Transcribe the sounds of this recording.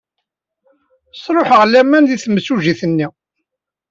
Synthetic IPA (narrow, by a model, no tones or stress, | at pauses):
sˤɾˤoħʁlːæmːænðiθməsuʒiθənːi